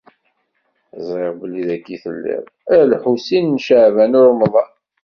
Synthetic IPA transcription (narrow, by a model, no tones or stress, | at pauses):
zˤɾeʁbəlːiðækːiθə̰lːḭʁ | ælħusinnʃəʕvænʊɾmðˤɑ